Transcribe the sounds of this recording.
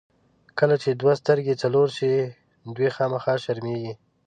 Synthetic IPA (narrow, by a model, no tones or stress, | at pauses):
kəlat͡ʃed̪wast̪əɾɡet͡saloɾʃe | d̪wixɑmaxɑʃaɾmeɡi